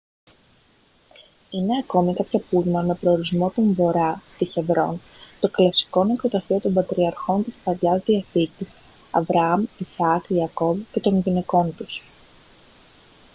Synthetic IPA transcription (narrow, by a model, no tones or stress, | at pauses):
ine̞ɐko̞mikɐpçɐpulmɐme̞pɾo̞oɾizmo̞t̪oɱvo̞ɾɐt̪içe̞vɾo̞̰n | t̪o̞klɐsi̥ko̞nikot̪ɐθiot̪o̞mbɐt̪ɾiɐɾxo̞nt̪ispɐʎɐzðiɐθicis | ɐ̰vɾʔɐɐmisɐkiɐko̞vce̞t̪o̞nʝine̞ko̞nt̪us